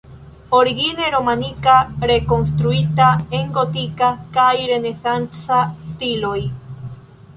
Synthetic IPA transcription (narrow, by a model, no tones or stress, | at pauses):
oɾiɣineɾo̞manikaɾekonst̪ɾuit̪aeŋɡot̪ikakajɾe̞ne̞θant͡sast̪iloj